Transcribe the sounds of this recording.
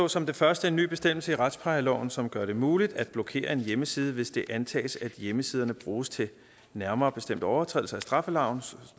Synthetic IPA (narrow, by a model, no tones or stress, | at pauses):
ɔ̰̽ːsɒ̽md̥e̝fɶɐsd̥əe̝nːy̰ːb̥e̝sd̥em̰l̩səiʁɑ̈d̥spʰɑ̈ɪlɒ̰ʊn̩sɒ̽mɡ̥ɶɐɾ̥e̝muːlid̥æd̥̚b̥lɔ̽kʰe̝̰ːɐe̝njeməsiːð̞ˠəʋe̝sd̥e̝ʔænt͡sʰɛ̰ːsæd̥jeməsiːð̞ˠɐnəb̥ʁuːst͡sʰe̝ | næɐmɐːb̥e̝sd̥em̰d̥əɒʊɐt͡sʰʁɛ̰ðl̩sɐæsd̥ʁɑ̈fəlɑ̈ʊ̰n̩